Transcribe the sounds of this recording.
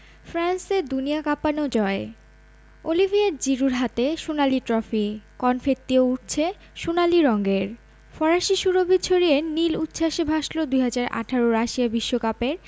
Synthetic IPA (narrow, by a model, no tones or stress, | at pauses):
fɾanseɾd̪uniakapanod͡ʑɔe | olibʱiaɾ̚d͡ʑiɾuɾɦat̪eʃunaliʈɾɔfikɔnfet̪ːiouʈ̚t͡ɕʰe | ʃunaliɾɔŋɡeɾ | fɔɾaʃiʃuɾobid̪t͡ɕʰoɾienilut̪ːɕʰaʃebʱaʃlod̪ujɦad͡ʑaɾʔa̰ʈʰaɾoɾaʃiabiʃːokapeɾ